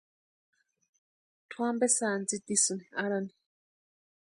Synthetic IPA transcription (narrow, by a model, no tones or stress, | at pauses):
tʰwambɛsand͡zid̪isuniaɾani